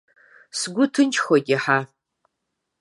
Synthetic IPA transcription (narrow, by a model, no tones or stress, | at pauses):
sɡʷʊtʰɨnt͡ʃʰʼxʷɔɡʲɪħa